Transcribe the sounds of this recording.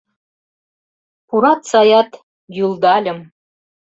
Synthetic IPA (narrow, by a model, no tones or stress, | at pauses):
puɾɑt̪sɑjɑt̪ | julˠd̪ɑlʲɤ̆m